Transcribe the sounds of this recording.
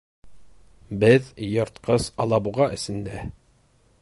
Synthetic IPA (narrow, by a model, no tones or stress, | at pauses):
bɘðjɤ̆ɾt̪qɤsɑlˠɑbuʁɑʔɘ̆sɘ̆nd̪æ